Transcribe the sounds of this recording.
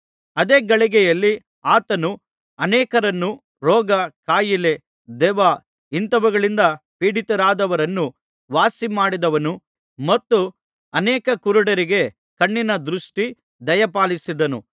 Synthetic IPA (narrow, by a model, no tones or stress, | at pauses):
ɐd̪eːɡɐɭiɡɛjɐlːi | aːt̪ɐnu | ɐnɛːkɐɾɐnːu | ɾɔːɡɐkaːjile̞ | d̪ɛːʋaː | int̪ɐʋuɡɐɭind̪ɐpiːɽit̪ɐɾaːd̪ɐʋɐɾɐnːu | ʋaːsimaːɽid̪ɐʋɐnu | mɐt̪ːu | ɐnɛːkɐkuɾuɽɐɾiɡe̞ | kɐɳːinɐd̪ɾuʂʈi | d̪ɐjɐpaːlisid̪ɐnṵ